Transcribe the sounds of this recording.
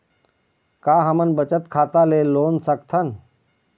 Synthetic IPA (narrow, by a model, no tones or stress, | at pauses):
kaːɦəmənbət͡ʃət̪kʰaːt̪aleːloːnsəkt̪ʰən